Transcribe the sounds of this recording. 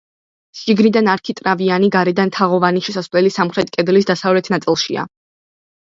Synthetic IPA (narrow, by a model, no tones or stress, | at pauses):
ʃiɡnid̪anaɾkʰit̪ʼɾavianiɡaɾɛd̪ant̪ʰaʁɔvaniʃɛsasvlɛlisamχɾɛt̪̚ʰʼkʼɛd̪lisd̪asavlɛt̪ʰnat̪sʼilˠʃḭa̰